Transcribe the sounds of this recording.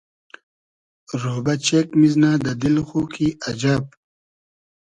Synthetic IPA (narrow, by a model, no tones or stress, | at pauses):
ɾoːbɐt͡ɕekmiznaːd̪ɐd̪ilxuːkʰiɐd͡ʑaːb̚